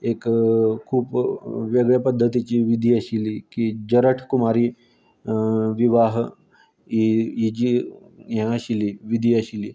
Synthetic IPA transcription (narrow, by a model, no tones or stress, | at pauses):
ekkʰuːpʋeɡɭjəpəd̪ʱːət̪it͡ɕiːʋid̪ʱiːəɕiliːkid͡ʑəɾəʈʰkumaɾiː | ʋiʋaɦ | iid͡ʑi | ɦãəɕiliːʋid̪ʱiːəɕiliː